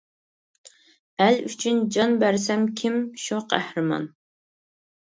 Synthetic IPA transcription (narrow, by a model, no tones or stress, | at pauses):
ælyt͡ʃʰynd͡ʒɑnbæɾsɛmkʲʰimʃuqʰæ̰ħɾɨmɑ̰n